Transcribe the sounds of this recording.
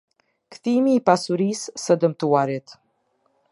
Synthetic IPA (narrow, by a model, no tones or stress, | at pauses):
kθimiːpasuɾisːəd̪əmt̪uaɾit̪